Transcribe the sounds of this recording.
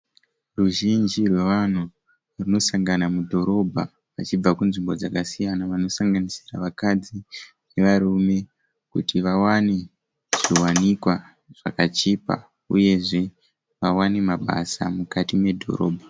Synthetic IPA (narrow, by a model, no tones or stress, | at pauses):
ruʒind͡ʒirwe̞ʋan̤u | runo̞saŋɡanamudʱo̞ɾo̞bʱa̰ | ʋat͡ʃib͡vakunʐimbo̞d͡zakasijanaʋano̞saŋɡanisiraʋakad͡zi | ne̞ʋaɾume̞ | kutʰiʋawane | ʐ̥iwanikwa | ʐ̥a̰kat͡ʃipa̰ | ṵje̞ʐe̞ | ʋawane̞maɓa̰sa̰mukatime̞dʱo̞̰ɾo̞̰ːbʱa